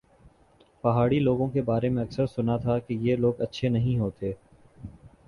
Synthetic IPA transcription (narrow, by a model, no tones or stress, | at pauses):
pɐɦaːɽiloːɡõkebaːɾemẽɐksəɾsʊnat̪ʰakejeːloːɡɐtːʃʰenɐɦĩɦoːt̪eː